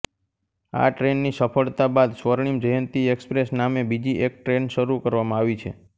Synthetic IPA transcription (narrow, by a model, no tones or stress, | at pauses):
a̰ʈɾenːisəfʰəɭt̪abad̪sʋəɾɳ̃imd͡ʒəjənt̪iekspɾesnamebid͡ʒiʔek̚ʈɾenʃəɾukəɾʋamãaʋit͡ʃʰe